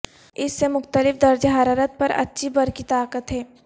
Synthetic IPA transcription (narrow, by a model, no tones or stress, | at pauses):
ɪsːemʊxt̪əlɪfd̪ɐɾd͡ʒɦaːɾaːɾət̪̚pɐɾɐ̰tːʃʰibɐɾkit̪aːkət̪ɦɛː